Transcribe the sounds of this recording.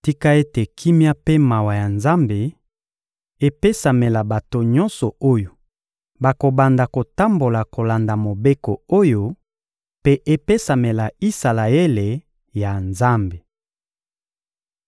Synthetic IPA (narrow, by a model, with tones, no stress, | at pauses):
ti˦ka˦e˦te˨kʰi˦mja˦pe˦ma˨wa˨ja˨nza˦mbe˨ | e˦pe˦sa˨me˨la˨ba˨to˨ɲɔ̃˦nsɔ˨o˦jo˨ | ba˨ko˨ba˨nda˨ko˨ta˦mbo˨la˨ko˨la˨nda˨mo˨be˦kɔ˨o˦jo˦ | pe˦ʔe˦pe˦sa˨me˨la˨i˦sa˨la˨e˦le˨ | ja˨nza˦mbe˨